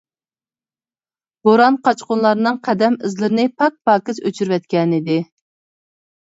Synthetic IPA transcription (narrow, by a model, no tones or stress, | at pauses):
b̥oɾɑnqʰɑt͡ʃqʊnlˠɑɾnɨŋqʰɛd̪ɛmɪzlɨɾnɪpʰɑk̚pɑːkʲɪzøt͡ʃʰyɾvɛt̪̚kʲɛnɪd̪ɪ